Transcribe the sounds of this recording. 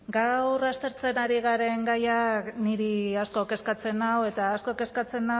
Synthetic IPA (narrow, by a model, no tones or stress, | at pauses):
ɡawrast̪e̞ɾt͡se̞naɾiɣ̞aɾe̞ŋɡajakniɾiasko̞ke̞skat͡se̞nawe̞t̪aːsko̞ke̞skat͡se̞na